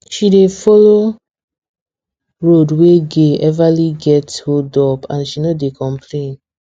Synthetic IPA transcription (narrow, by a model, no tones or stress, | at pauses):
ʃidefɔlo | ɹodweɡeɛvaliɡɛthodɔpãnʃinodekɔ̃mpʰlẽn